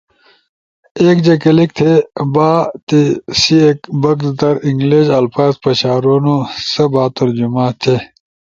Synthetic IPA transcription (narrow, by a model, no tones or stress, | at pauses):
eːkd͡ʑɐkɐlik̚t̪ʰebaːt̪isiekbɐkd̪ɐɾiŋɡleːɕɐlfaːzpɐɕaːɾoːnosɐbaːt̪ɐɾd͡ʑumaːt̪ʰe